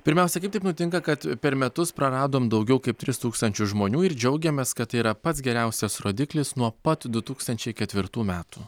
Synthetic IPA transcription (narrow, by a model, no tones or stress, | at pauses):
pʲɪɾʲmʲæˑʊsʲɛkɐɪpt̪ɐɪpnʊt̪ʲɪŋkɐkɐt̪pʲɛɾmʲɛt̪ʊspɾɐɾɑːd̪oːmd̪ɐʊɡʲɛʊkɐɪp̚t̪ʲɾʲɪst̪uːkst̪ɐnʲt͡ʃʲʊsʒmoːnʲuːɪɾd͡ʒʲɛʊɡʲɛmʲeːskɐt̪t̪ːɐɪiɾɐpɐt̪sɡʲɛɾʲɛˑʊsʲɛsɾoːd̪ʲɪklʲɪsnuɔpɐt̪d̪ʊt̪uːkst̪ɐnʲt͡ʃʲɛɪkʲɛt̪ʲʋʲɪɾt̪uːmʲæːt̪uː